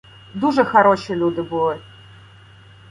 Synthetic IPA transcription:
d̪uʐɨxɐɾoɕɪjlʲud̪ɨbɨlˠɨ

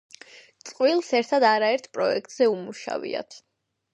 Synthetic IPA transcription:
t̪sʼqʼwilˠsɛɾt̪ʰad̪aɾaɛɾt̪ʰpʼɾɔɛk̚t̪ʼz̥ɛumuʃa̰vḭa̰t̪ʰ

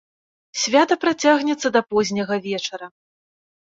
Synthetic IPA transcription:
sʲvʲat̪ɐpɾat͡sʲaɣnʲɛt̪sːɐd̪ɐpɔzʲnʲɐɣɐvʲɛt͡ʂɐɾɐ

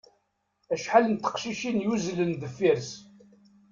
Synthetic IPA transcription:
æʃħalənt̪ːə̥qʃiʃinjuzlənd̪əfːiɾs

